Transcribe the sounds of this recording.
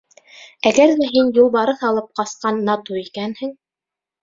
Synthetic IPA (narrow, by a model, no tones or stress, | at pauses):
æɡæɾðæɦinjulˠβɑɾɤθɑlˠɤp̚qɑsqɑnːɑt̪uikænhɘŋ